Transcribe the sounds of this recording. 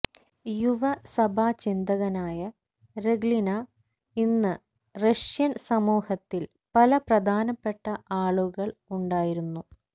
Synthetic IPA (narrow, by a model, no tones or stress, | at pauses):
juʋɐsɐbʱaːt͡ɕind̪ɐɣɐnaːjɐ | reɡlinɐ | inːɨ | rɐʂjɐnsɐmuːhɐt̪ːil | pɐlɐprɐd̪ʱaːnɐpːe̞ʈːɐʔaːɭuɣɐɭuɳɖaːjiɾunːu